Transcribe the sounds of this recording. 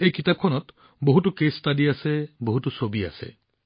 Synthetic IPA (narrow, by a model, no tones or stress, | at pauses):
ejkitap̚kʰɔnɔt̪ | boɦutukestadiaseboɦutusobia̰sḛ